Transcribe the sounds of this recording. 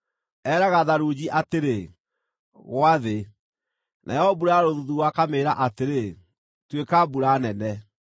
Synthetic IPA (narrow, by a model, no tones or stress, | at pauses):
ɛːɾaɣaðaɾuːd͡ʑiʔateɾe | ɣwaðe | nʔa̰jɔɔbuɾaɾoðuðuɣwakameːɾaʔateɾe | twekabuɾanɛnɛ